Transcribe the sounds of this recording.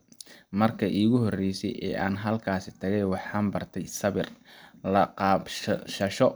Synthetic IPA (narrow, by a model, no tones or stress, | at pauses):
mɐrkʰɐʔiːɣʊɦɔrɛjsɛ̰jʔɛ̰ːʔaːnɦɐlkʰaːsɪt̪ʰɐɣɛjwɑħɑːmbɐrt̪ʰɛjsɐβɪrlɐqɑːbʃʃɐʃɔ